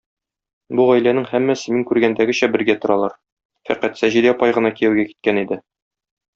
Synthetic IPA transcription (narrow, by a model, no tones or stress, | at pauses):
buʁæjlænɘŋhæmːæsɘmiŋkʉɾɡænd̪æɡɘ̆ɕæbɘ̆ɾɡæt̪ŏɾɑlˠɑɾ | fæ̰ɾqæt̪sæʑid̪iɒpɑjʁɤ̆nɑkijæwɡæki̥t̪̚kænid̪ɘ